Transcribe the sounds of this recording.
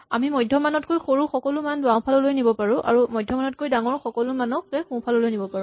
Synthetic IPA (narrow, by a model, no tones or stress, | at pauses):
a̰mimɔjdʱjɔmanɔtkojxoɹuxɔkɔlʊmandʊwaw̃pʰalɔlojnibɔpaɹũʔa̰ɹumɔjdʱjɔmanɔt̚kojdaŋɔɹxɔkɔlʊmanɔkɛxũpʰalɔlojnibɔpaɹʊ̃